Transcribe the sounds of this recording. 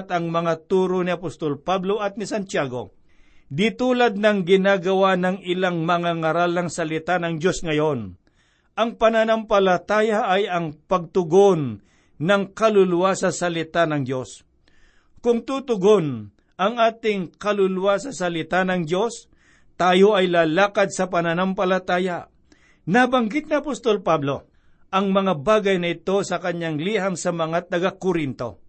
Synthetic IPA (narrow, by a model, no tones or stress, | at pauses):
t̪ɐŋmɐŋat̪uːɾonɪɐpost̪olpabloʔɐt̪̚nɪsant͡ʃaːɡo̰ | d̪ɪt̪uːlɐd̪̚nɐŋɡɪnaːɡɐwanɐŋɪlaŋmɐŋaŋɐɾalnɐŋsɐlɪt̪anɐŋd͡ʒo̞sŋɐjon | ʔɐŋpɐnanampɐlɐt̪aːjaʔːjɐŋpɐɡ̚t̪ʊɡonː | ɐŋkɐlʊlʊwasɐsɐlɪt̪anɐŋd͡ʒo̞s | kʊŋt̪ut̪ʊɡon | ʔɐŋaːt̪ɪŋkɐlʊlʊwasɐsɐlɪt̪anɐŋdo̞s | t̪aːjoɐjlaːlaːkɐd̪̚sɐpɐnɐnampɐlɐt̪aːja | nabɐŋɡɪt̪̚nɪɐpost̪olpablo̞ | ʔɐŋmɐŋabaːɡɐjnɐɪt̪o̞sɐkɐɲaŋliːɦɐŋsɐmɐŋat̪ɐɡakʊɾɪnt̪o̞̰